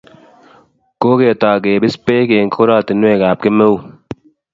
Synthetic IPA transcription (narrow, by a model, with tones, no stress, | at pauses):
koː˦ɡeː˨t̪aː˨ɡeː˨bi˦speː˦keːŋkʰoɾaːt̪inweːɡaː˨p̚ke˦me˦u